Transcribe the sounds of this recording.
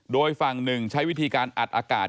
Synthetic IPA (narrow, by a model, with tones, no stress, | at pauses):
doː˧jfa˨˩ŋnɯ˨˩ŋt͡ɕʰa˦˥jwi˦˥t̪ʰiː˧kaː˧nʔa̰˨˩t̪̚ʔaː˧ka̰ː˨˩t̪̚